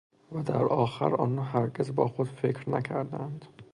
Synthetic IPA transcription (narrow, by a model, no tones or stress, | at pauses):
væd̪æɾʔɒːxæ̰ɾɒ̰ːnɒːɦæɾɟezbɒːxod̪fecʰɾnæcʰæɾd̪ænd̪